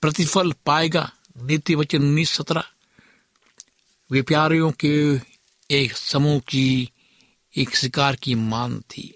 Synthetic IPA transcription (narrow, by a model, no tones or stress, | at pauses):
pɾət̪ɪfəlpaːeːɡa̰ː | nɪːt̪iʋət͡ʃənniːsːət̪ɾaː | ʋɪpjaːɾijõke | eːksəmuːki | eːksɪkaːɾkimaːnt̪ʰḭː